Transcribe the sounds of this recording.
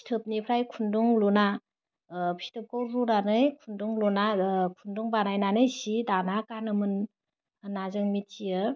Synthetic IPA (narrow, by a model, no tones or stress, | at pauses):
i̥tʰɯp̚nipʰɾajkʰunduŋluna | pʰi̥tʰɯp̚kʰowɾuɾanɯjkʰunduŋlunakʰunduŋbanajnanɯjsidanakanɯmɯn | nazɯŋmitiɯ